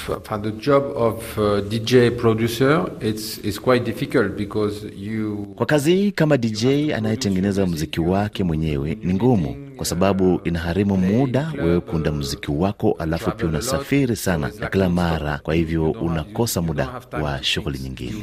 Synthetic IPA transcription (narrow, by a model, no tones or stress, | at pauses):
ad̪əd͡ʒɔbɔvdid͡ʒepɹɔdjusəitsitskwajt̚difikəlt̚bikɔzjukwakazihiːkamadid͡ʒɛja̰najɛtɛŋɡɛnɛzamuzikiwakɛmwɛɲɛwɛniŋɡumṵ | kwasaɓaɓuʔinaɦaɾimumuɗawɛwɛkuundamuzikiwakɔʔalafupiaunasafiɾisana̰nakilamaɾa̰kwahivjɔunakɔsamuɗa̰wa̰ʃuɣuliɲiŋɡḭnɛ